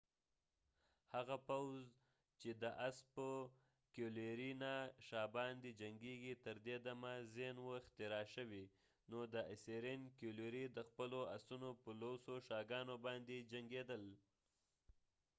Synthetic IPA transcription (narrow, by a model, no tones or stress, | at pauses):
haɣapawz | t͡ʃed̪əʔaspə | kjoleɾinaʃɑbɑnd̪ed͡ʒaŋɡeɡit̪əɾd̪ed̪amazenwoɪxt̪ɪɾɑʃəwi | nod̪əʔɪseɾenkjoleɾid̪əxpəloasunopəlosoʃɑɡɑnobɑnd̪ed͡ʒaŋɡed̪əl